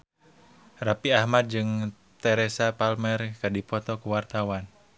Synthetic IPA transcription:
rapiahmad̪̚d͡ʒɨŋ | t̪ɛɾɛsapalmɛrkadipɔt̪ɔkuwart̪awan

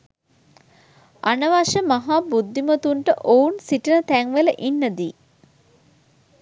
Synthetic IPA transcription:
anəʋaʃəmaɦaːbud̪ʱːimət̪uɳʈəʔounsiʈənət̪æŋʋeləʔinːəd̪iː

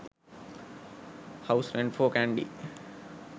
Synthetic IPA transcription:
haʊsɾẽɳɖfoːkæ̃ɳɖḭ

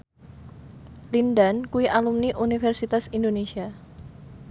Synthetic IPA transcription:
lindankuwiʔalumniʔunifɛrsit̪asindonesia

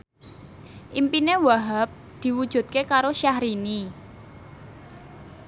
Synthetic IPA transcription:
ʔimpinewaɦap̚ | d̪̥i̤wud̥ʒ̥ṳt̪̚kekaɾoʃahɾini

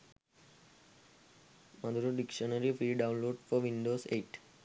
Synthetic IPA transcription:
məd̪uɾoɖɪkʃənəɾifɾiːɖãʊ̃nloːɖfɔɾʋĩɳɖoːseːʈ

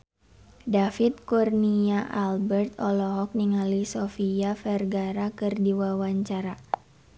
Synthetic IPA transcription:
dafit̪̚kurniaʔalbɛrt̪ɔlɔɦɔk̚niŋalisofiafɛrɡaɾakɨrdiwawaɲt͡ʃaɾa

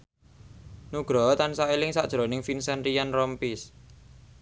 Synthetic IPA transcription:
nuɡ̥ɾɔt̪ansaelɪŋsaʔd̥ʒ̥ɾo̤nɪŋfinsɛnrijanrɔmpis

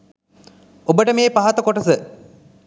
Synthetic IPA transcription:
obəʈəmeːpaɦɐt̪ɐkoʈɐsə

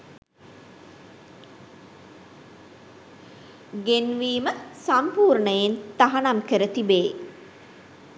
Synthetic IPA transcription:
ɡenʋiːməsampuːɾɳəjent̪aɦanamkəɾət̪ibeː

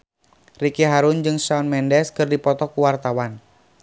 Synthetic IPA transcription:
rikiɦaɾund͡ʒɨŋsaunmɛndɛskɨrdipɔt̪ɔkuwart̪awan

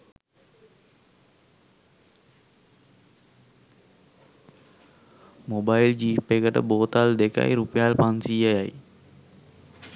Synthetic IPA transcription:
mobajild͡ʒiːpːekəʈə̰boːt̪ald̪eka̰jɾupjalpansiːəjaj

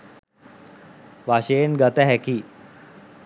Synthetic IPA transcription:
ʋaɕeːnɡət̪əɦɛki

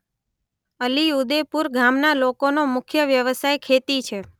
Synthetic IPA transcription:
əliud̪epuɾɡʱamnalokonomʊkʰjəʋjəʋəsajkʰet̪it͡ʃʰe

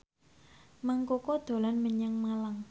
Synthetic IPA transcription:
maŋkokod̪̥o̤lanməɲəŋmalaŋ

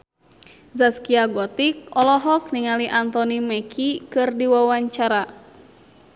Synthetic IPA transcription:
zaskiaɡɔt̪ik̚ɔlɔɦɔk̚niŋaliʔant̪ɔnimɛkʰikɨrdiwawaɲt͡ʃaɾa

